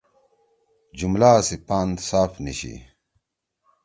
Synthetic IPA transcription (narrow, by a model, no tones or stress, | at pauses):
d͡ʑumlaːsipaːnd̪saːfniɕḭ